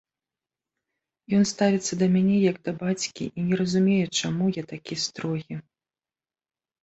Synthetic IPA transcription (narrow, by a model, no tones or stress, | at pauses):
jɔnst̪avʲit̪sːɐd̪ɐmʲanʲɛjɐɡd̪ɐbat͡sʲkʲḭʔinʲɛɾɐzumʲejɛt͡ʂamujat̪akʲist̪ɾɔɣʲi